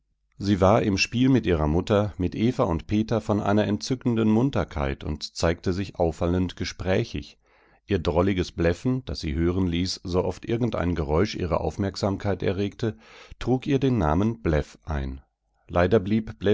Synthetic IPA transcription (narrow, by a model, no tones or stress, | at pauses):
ziːvaːɐʔɪmʃpiːlmɪtʔiːʁɐmʊtɐmɪtʔeːfaʊntpʰeːtɐfɔnʔa̰ɪnɐɛntt͡sʏkn̩dənmʊntɐkʰa̰ɪtʰʊ̰ntt͡saɪk̚təzɪçʔaʊfaləntɡ̥əʃpʁ̥ɛːçɪ̰ç | ʔiːɐdʁɔlɪɡəsb̥lɛfn̩d̥asz̥ḭːɦøːʁənliːszoʔɔftʔɪɐɡŋ̩tʔa̰ɪnɡəʁɔʏʃʔḭːʁ̞ə̰ʔa̰ʊfmɛɐkz̥aːmkʰaɪtɛ̰ɐʁeːktʰətʁ̥uːkiːɐdeːnːa̰ːmənblɛfʔaɪn | lʔaɪdɐbliːpb̥lɛ